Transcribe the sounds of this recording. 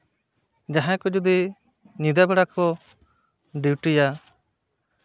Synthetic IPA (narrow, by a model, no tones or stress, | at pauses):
d͡ʒaɦãkɔd͡ʒud̪i | ɲid̪abɛɽakɔ | ɖiwʈija